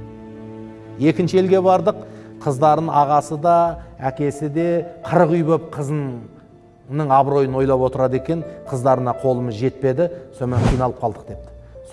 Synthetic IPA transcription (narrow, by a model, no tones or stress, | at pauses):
je̞kʲɪnʃɪelɡʲe̞bɑɾd̪əqʰːəzd̪ɑɾəɑʁɑsəd̪ɑækʲe̞sɪd̪e̞qʰəɾəʁyjbəp̚qʰəzə | nəɴɑbɾo̞jənwo̞jlˠɑpwo̞t̪əɾɑd̪e̞kʲe̞ɴqʰəzd̪ɑɾənɑqʰo̞lˠəməzʒe̞t̪̚pe̞d̪ɪso̞nmeɴqʰijnɑlˠəp̚qʰɑlˠd̪əq̚d̪e̞p̚t̪ɪ̥s